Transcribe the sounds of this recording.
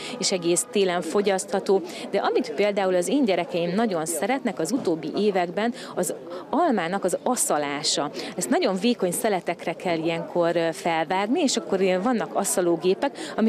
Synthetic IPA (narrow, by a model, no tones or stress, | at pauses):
eːʃɛɡeːst̪eːlɛɱfo̞ɟɒst̪hɒt̪oːd̪ɛʔɒmit̪peːld̪aːulɒzeːɲɟɛɾɛkɛimnɒɟo̞nsɛɾɛt̪nɛkɒzut̪oːbːḭʔeːvɛɡbɛn | ɒzɒlmaːnɒkɒzɒsɒlaːʃɒɛst̪nɒɟo̞ɱveːko̞ɲsɛlɛt̪ɛkrɛkɛlːijɛŋkʰo̞rfɛlvaːɡnieːʃɒkːo̞ɾvɒnːɒkɒsɒloːɡeːpɛkɒmi